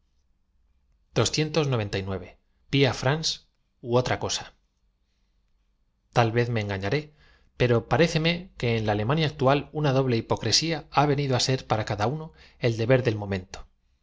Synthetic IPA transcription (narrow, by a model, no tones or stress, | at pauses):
d̪̥o̞sθje̞nt̪o̞zno̞β̞e̞nt̪ajnwe̞βe̞ | piafɾans | uo̞t̪ɾako̞sḁ | t̪alβe̞θme̞ːŋɡaɲaɾe̞ | pe̞ɾo̞paɾe̞θe̞me̞ke̞ːnlaːle̞mãnjaːk̚t̪ualunaðo̞β̞leipo̞kɾe̞siaaβe̞niðoase̞ɾpaɾakaðauno | e̞ld̪e̞βe̞ɾðe̞lmõ̞mẽ̞nt̪o